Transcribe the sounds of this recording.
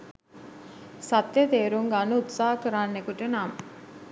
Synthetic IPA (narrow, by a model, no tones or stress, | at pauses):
sat̪jət̪eːɾuŋɡanəut̪saːɦəkəɾaːnːekuʈənamə